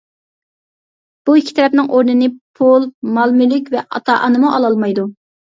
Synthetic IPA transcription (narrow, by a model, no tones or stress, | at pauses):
b̥uikʲʰːi̥t̪ʰɛɾɛp̚nɪŋʔoɾnɨnɨpʰulˠmɑlˠmylɪkʲvɛʔɑ̰t̪ʰɑʔɑnɨmuʔɑlˠɑlˠmɑjd̪u